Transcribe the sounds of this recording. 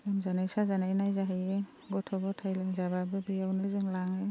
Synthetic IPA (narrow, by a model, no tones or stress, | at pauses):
lamzanajsazanajnajzaɦaje | ɡɔtʰɔbɔtʰajlamzaβabɯbijawnɯzɯŋlaŋɯ